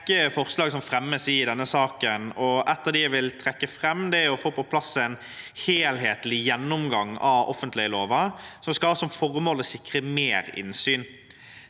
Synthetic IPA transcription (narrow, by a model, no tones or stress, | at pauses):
kːəfɔʁslɑːɡsɔmfɾɛmːəsɪd̪ɛnːəsɑːkənɔʔɛt̪ːəd̪ɪæʋɪlt̪ʰɾɛkːəfʁɛmːd̪ɛɔfoːpɔpʰlɑsːæɪn | heːlheːt̪lɪjɛnːʊmɡɑŋɑɔ̰fːənt̪lɪəloːʋɑsɔmskɑɑːsɔmfɔʁmoːləɔsɪkʁəmeːɾɪ̰nsyːn